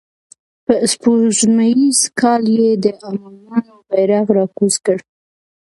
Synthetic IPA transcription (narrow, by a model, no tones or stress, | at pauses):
pəspoʒnajizkɑljed̪əʔamɑnɑnobajɾɑɣɾɑkuzkəɽ